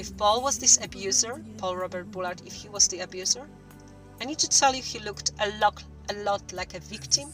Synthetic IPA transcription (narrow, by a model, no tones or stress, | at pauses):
ɪfpɔlˠwɔzðɪsəbjʉzə˞pʰɔlˠɹɔbəɹt̚bulaɹtɪfhiwɔzðiəbjʉzə˞ | ajnid̚tɨtʰɛlˠɨfhilʊktəlɔ | ʔəlɔtlajkəviktɪ̃m